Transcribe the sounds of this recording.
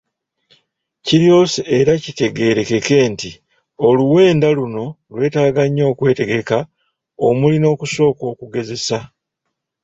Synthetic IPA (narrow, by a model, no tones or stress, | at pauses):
ciɾjo̞ːseeɾacite̞ɡe̞ːɾe̞ke̞ke̞ːnti | o̞luwe̞ːndaluno̞ | lwe̞ːtaːɡaɲːo̞ːkwe̞ːte̞ɡe̞ka | omulino̞ːkuso̞ːko̞ːkuɡe̞ze̞sa